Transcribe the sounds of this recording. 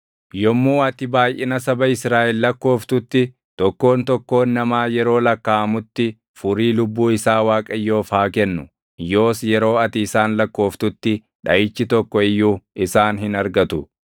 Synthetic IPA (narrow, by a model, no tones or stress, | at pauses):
jɔmːuːɐt̪ɪbaːjʔɪnɐsɐbɐɪsɾaːʔɛlːɐkːo̞ːft̪ʊt̪ːɪ | t̪ɔkːo̞ːnt̪ɔkːo̞ːnːɐmaːjɛɾo̞ːlɐkːaːɐmʊt̪ːɪ | fʊɾiːlʊbːuːɪsaːwaːkʼɐjːo̞ːfaːkɛnːʊ | jo̞ːsjɛɾo̞ːɐt̪ɪːsaːnlɐkːo̞ːft̪ʊt̪ːɪ | ᶑɐʔɪt͡ʃːɪt̪ɔkːɔɪjːuːɪsaːnɦɪnɐɾɡɐt̪ʊ